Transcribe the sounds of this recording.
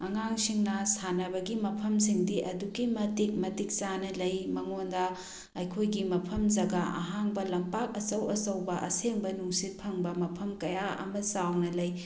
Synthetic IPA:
ɐŋaŋsiŋnɐsanɐbɐɡimɐpʰɐms̬iŋdiʔɐduɡimɐtik̚mɐtik̚t͡ʃanɐlɐjmɐŋondɐ | ɐjkʰojɡimɐpʰɐmzɐɡaʔɐ̰ɦaŋbɐlɐmpak̚ɐt͡ʃɐwɐsɐwbɐʔɐ̰seŋbɐnuŋsit̚pʰɐŋbɐmɐpʰɐmkɐjaɐ̰mɐsawnɐlɐj

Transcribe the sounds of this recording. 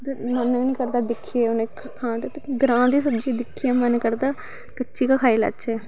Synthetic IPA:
mənnĩːkəɾd̪aːd̪ɪkʰːieʊneː | kʰãːd̪t̪eɡəɾãːd̪iːsəbd͡ʒiːd̪ɪkʰːiːɛːmənkəɾd̪aː | kət͡ʃːʃiːkəkʰaːiːla̰t͡ʃːt͡ʃɛː

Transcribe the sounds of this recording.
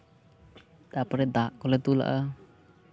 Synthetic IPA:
t̪apaɾɛd̪aʔkɔlɛt̪ula̰ʔa

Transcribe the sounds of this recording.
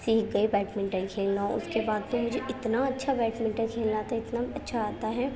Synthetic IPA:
siːk̚ɡɐibɛːʈmɪ̃ɳʈəkʰeːlnaʊ̰skebaːd̪̚mẽmʊd͡ʒʱeʔɪt̪naɐtːʃʰabɛːʈmɪ̃ɳʈəɾkʰeːlnat̪aɪt̪naɐtːʃʰaaːt̪aɦɛː

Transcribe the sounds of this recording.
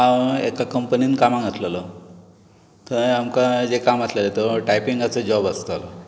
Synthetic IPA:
aekakəmpəniːnkamãŋɡət̪ʰləlɔ | t̪əamkad͡zekamat̪lelet̪əʈajpiŋɡat͡səd͡ʑɔbast̪alɔ

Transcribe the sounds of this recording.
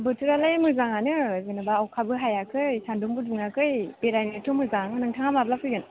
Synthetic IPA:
bɯtʰɯɾalajmɯzaŋanɯzenabaːwkʰabɯɦajakʰɯjsandumbudɯŋakʰɯjpeɾajneɾtʰomɯzaŋnɯŋtʰaŋamablapʰɯjɡɯn

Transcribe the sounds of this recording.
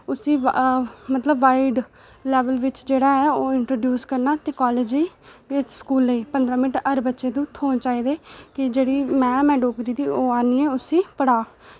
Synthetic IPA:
ʊsĩːmət̪ləbːaːiɖ | lɛːʋəlʋɪt͡ʃd͡ʒeːɽaːɛːoːɪɳʈɾoːɖjuːskəɾnaːt̪eːkɔːleːd͡ʒeiːeːskuːlːeiːpənd̪ɾaːmɪnɪʈəɾbətːʃeːd̪uːt̪ʰoːnt͡ʃaːiːd̪eːkɪd͡ʒeːɽiːmɛ̃ːmɛ̃ːɖoːkɾiːd̪iːoːaːniːɛːʊsĩːpəɽaː

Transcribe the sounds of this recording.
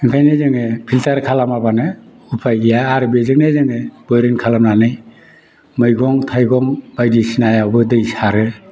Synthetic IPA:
ɯŋkʰajnezɯŋepʰiltʰaɾkʰalamabanɯ | upʰajɡijaːɾɯbezɯk̚nezɯŋeb̥ɔjɾɯnkʰalamnanɯj | mɯjɡɔŋtʰajɡɔŋbajdisinajawbɯdɯjsaɾɯ

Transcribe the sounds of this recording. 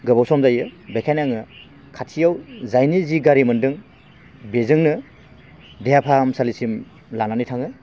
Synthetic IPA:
ɡɯbawsɔmzajɯbekʰajnaŋɯ | kʰatʰijawzajniziɡaɾimɯndɯŋ | bezɯŋnɯ | dejapʰamsalisim | lananitʰaŋɯj

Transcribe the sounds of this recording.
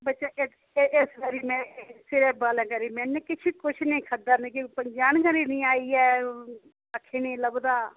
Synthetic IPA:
bətːt͡ʃaːʔe | ʔesɡəɾiːmɛ̃ːsɪɾɛːbaːlɛ̃ːkəɾiːmɛ̃ːnːẽːkɪt͡ʃʰiːkʊt͡ʃʰnĩːkʰəd̪əɾnẽkipəɲd͡ʒaːnɡəɾiːnĩːaːiːɛː | əkʰːeːnẽːləbd̪aː

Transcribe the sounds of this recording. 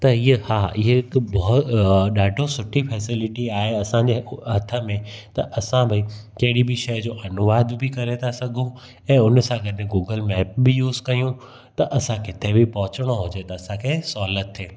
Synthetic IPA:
t̪ɐiehaːɪɦeɪkbɐɦʊt̪ɗaːɖʱosʊʈʰifʰɛːsɪlɪʈiaːɦeɐsãd͡ʑeɦɐt̪ʰəmẽt̪ɐ̰ʔɐsãbʱɪikɐɦɪɽibiʃɐjd͡ʑoːʔɐnʊʋaːd̪ʱbɪkɐɾet̪ʰasɐɡʱũ | ɛ̃ːʊnsãɡɐɗɪ̃ɡuːɡəlmɛːp̚bɪjuːzkɐjũ | t̪ɐʔɐsãkɪt̪ʰebɪpɐɦʊt͡ɕəɽ̃oɦʊd͡ʑet̪ɐːsãkʰesɔːlət̪ʰːeː

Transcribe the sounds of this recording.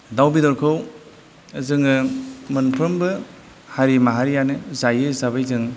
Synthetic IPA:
dawbidɔɾkʰɯw | ɯzɯŋɯmɯnpʰɯmbɯ | haɾimaɦaɾijanɯzajɯzabajzɯŋ

